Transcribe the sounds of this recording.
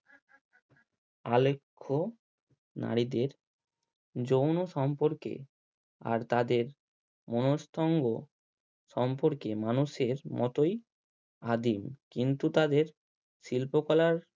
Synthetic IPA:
alekʰːo | na̰ɾid̪eɾ | d͡ʑownoʃɔmpoɾkḛ | a̰ɾt̪ad̪eɾ | monost̪ʰɔŋɡo | ʃɔmpoɾkemanuʃeɾmɔt̪oj | ad̪imkint̪ut̪ad̪eɾ | ʃilpokɔlaɾ

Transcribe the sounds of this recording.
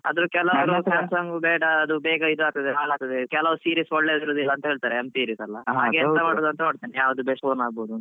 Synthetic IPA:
ɐ̰d̪ɐɾukɛlɐʋɐɾusɐmsɐŋɡubɛːɽɐːd̪ubɛːɡɐid̪uaːk̚t̪ɐd̪eɦaːɭaːk̚t̪ɐd̪ekɛlɐʋɾusiːɾiːsɔɭːed̪iɾoːd̪ilːɐːnt̪ɐɦeːɭt̪aːɾeemsiːɾiːsɐlːɐɦɦaːɡeɐnt̪ɐmaːɽoːd̪uɐnt̪ɐmaːɽt̪iːnejaːʋɐd̪ubesoːnaːɡ̚boːd̪unt̪

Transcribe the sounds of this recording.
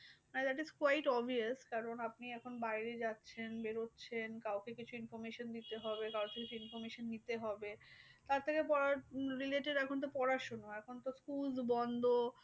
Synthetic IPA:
najd̪æʈizkwajʈɔbʱiaskaɾonapniɛkʰonbajɾed͡ʑatːɕʰenbeɾotːɕʰenkawkekit͡ɕʰuinfoɾmeʃond̪it̪eɦɔbekawkʰekit͡ɕʰuinfoɾmeʃonːit̪eɦɔbet̪aɾt̪ʰekepɔɾaɾɾileʈeɖɛkʰont̪̬opɔɾaʃonoɛkʰont̪oskulzbɔnd̪ʱo

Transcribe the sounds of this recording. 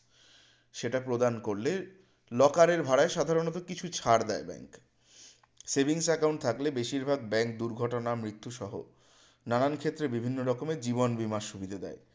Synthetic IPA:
ʃeʈapɾod̪ankoɾle | lɔkaɾeɾbʱaɽaeʃad̪ʱaɾonɔt̪okit͡ɕʰut͡ɕʰaɾd̪ɛebɛ̰ŋk | sebiŋsɛkawɳʈ̚t̪ʰaklebeʃiɾbʱaɡ̚bɛŋk̚d̪uɾɡʱɔʈonamɾit̪ːuʃɔɦo̰ | nanankʰet̪ːɾebibʱinːoɾɔkomed͡ʑiβonbimaʃubid̪ʱad̪ɛ̰e

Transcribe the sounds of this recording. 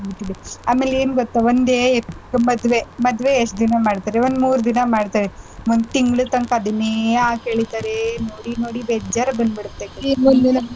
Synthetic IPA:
biʈːiɽiaːmeːleːnuɡot̪ːaʋond̪eːmɐd̪ʋemɐd̪ʋeːʂʈd̪inɐmaːɽt̪aːɾeond̪muːɾd̪inɐmaːɖt̪aːɾeʋond̪t̪iŋɡɭut̪ɐŋkad̪ineaːɡɦeːɭit̪aːɾenoːɽinoːɽibeːd͡ʒaɾɐbɐnd̪biɽut̪ːekeod̪inɐ

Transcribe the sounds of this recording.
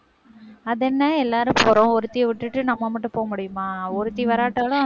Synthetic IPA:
ɐðɛnːɐɛlːaːɾɯpɔːɾõɔɾɯt̪ːɪjɐʋɪʈːɯʈːɯnɐmːɐmɐʈːɯ̃poːɐmʊɽɪjɯmaːɔɾɯt̪ːiʋɐɾaːʈːɐɭʊ̃

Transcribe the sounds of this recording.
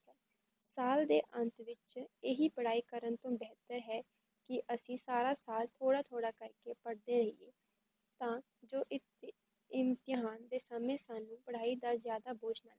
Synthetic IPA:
saːld̪eːʔənt̪ʋɪt͡ʃɪɦiːpəɽ̤aːiːkəɾənt̪õːbɛːt̪əɾɦɛː | kɪʔəsĩːsaːɾaːsaːlt̪ʰoːɽaːt̪ʰoːɽaːkəɾkeːpəɽd̪eːɾəɦḭḛː | t̪ãː | d͡ʒoːʔɪt̪ | ɪmt̪ɪɦaːnd̪eːsəmẽːsaːnũːpəɽaːiːd̪aːzjaːd̪aːboːt͡ʃnaːɛ

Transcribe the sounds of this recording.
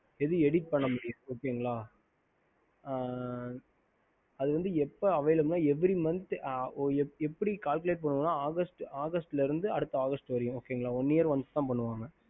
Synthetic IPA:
ɛðɯɛɽiːʈ̚pɐɳːɐmʊɽɪjɐ̃oːkːeːɯŋɡɐɭaː | ɐðɯʋɐnd̪ɯɛpːɐɐʋɛjlɯmnaːɛʋɐɾimɐnt̪ːʔɛɛpːɐɽikaːlkɯleːʈ̚pɐɳːɯʋɐ̃nːãːaːɣɐsʈaːɣɐsʈɪlɐɪɾɯnd̪ɯɐɽɯt̪ːɐaːɣɐsʈʋɐɾɪjʊ̃oːkːeːŋɡɐɭaːɔnːijɐɾʋɐnsɯt̪ːãːpɐɳːɯʋaːŋɡɐ

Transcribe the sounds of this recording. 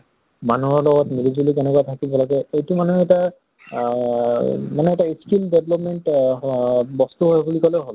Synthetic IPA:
manuɔɹlɔɡɔtmilizulik̬ɛnɛkuatʰakilpɔlakɛejtumanuɛta | manɛɛtaiskildeblɔpmɛnt | bɔst̪uɦojbulikɔlɛɦol

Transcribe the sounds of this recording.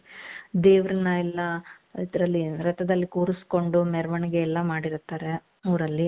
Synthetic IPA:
d̪eːʋɾɐnɐɛlːɐid̪ɐɾɐlːiɾɐt̪ɐd̪ɐlːikuːɾusko̞ɳɖumɛɾɐʋɐɳɡeːlːɐmaːɽiɾt̪ːaːɾe | ɐʋɾɐlːi

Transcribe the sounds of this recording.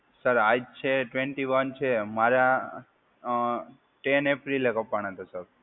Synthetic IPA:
səɾad͡ʒt͡ʃʰeʈʋẽɳʈiʋənt͡ʃʰemaɾa | ʈenepɾilekəpːaɳ̃et̪ʰasəɾ

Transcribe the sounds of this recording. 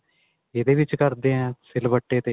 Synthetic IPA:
ed̪eʋɪt͡ʃkɐɾd̪ẽɛ̃sɪlʋəʈːet̪e

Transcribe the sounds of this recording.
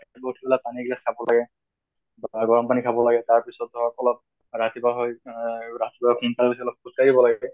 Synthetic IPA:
bɔtʰibɛlapaniɡilaskʰabɔlaɡɛ | bɡɔɹɔmpanikʰabɔlaɡɛtaɹpisɔt̚ɔɔkɔlɔb̚ | ɹatibaɦɔjɹatibaɦɔkʰunpalbasiɔlɔb̚kuskaɾibɔlaɡɛ

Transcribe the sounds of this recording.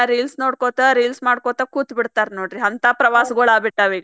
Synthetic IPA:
ɾilsnoːɽkoːt̪ɐɾilsmaːɽkoːt̪ɐkuːt̪biɽt̪aːɾnoːɽɾiɐnt̪ɐpɾɐʋaːsɡoɭaːbiʈːɐːʋiːɡɐ

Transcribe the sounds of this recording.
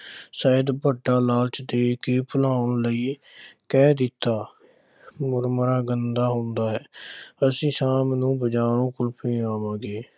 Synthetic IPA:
səːəd̪bəʈːaːlaːlt͡ʃd̪eːkeːpʰəlaːʊɳləiːkɛːd̪ɪt̪ːaː | mʊɾməɾaːɡənd̪aːɦʊ̃nd̪aːɦɛːəsĩːsãːmnũːbəd͡ʒaːɾõːkʊlpĩːaːmãːɡeː

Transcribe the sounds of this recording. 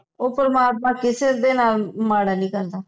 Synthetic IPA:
oːpəɾəmaːt̪̚mãːkɪseːd̪eːnaːlmaːɽaːnĩːkəɾd̪aː

